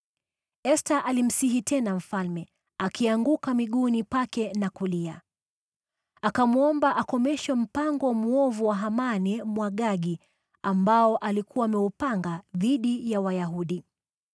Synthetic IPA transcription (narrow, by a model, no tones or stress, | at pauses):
ɛstaʔalim̩siɦitʰɛnam̩falmɛ | akiaŋɡukamiɠunipakɛnakulia | akamuɔmbaʔakɔmɛʃwɛm̩paŋɡɔmuɔvuwaɦamanɛmwaɠaɡi | ambaɔʔalikʰuwaːmɛupaŋɡaðiɗijawajaɦuɗi